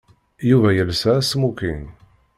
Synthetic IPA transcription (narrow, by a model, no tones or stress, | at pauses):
juvæjəlsæsmukḭn